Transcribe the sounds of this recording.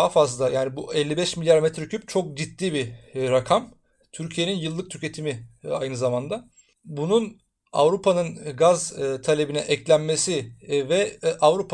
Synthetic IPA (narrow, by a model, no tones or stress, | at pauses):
ɦafazlˠajaːnibuɛlʲːibɛʃmilʲjaɾmɛt̪ɾycʰyp̚t͡ʃʰo̞k̚d͡ʒit̪ːiːbiɾakʰam | t̪ʰyɾcʰije̞ninjɯlˠːɯk̚t̪ʰycʰe̞t̪ʰimiajnɯzamand̪a | bunun | a̰vɾupʰanɯnɡazt̪ʰalʲe̞binɛʔɛclʲænme̞sivɛʔavɾupʰ